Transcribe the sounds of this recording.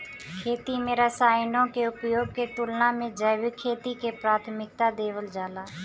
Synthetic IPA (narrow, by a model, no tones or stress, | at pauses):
kʰeːt̪imẽɾasaːɪnõkeʊpjoːɡ̚ket̪ʊlnamẽd͡ʒəɪʋɪkʰːeːt̪ikepɾaːt̪ʰmɪk̚t̪ad̪eːʋəld͡ʒaːlaː